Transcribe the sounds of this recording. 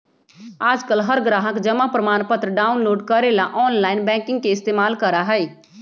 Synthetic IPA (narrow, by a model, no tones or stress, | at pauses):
aːd͡ʒkəlɦəɾɡɾaːɦəkd͡ʒəmapɾəmaːnpət̪ɾəɖaːʊnloːɖkəɾelaʔɔːnlaːinbɛ̃ːkɪ̃ŋɡ̚keɪst̪eːmaːlkəɾaɦɛi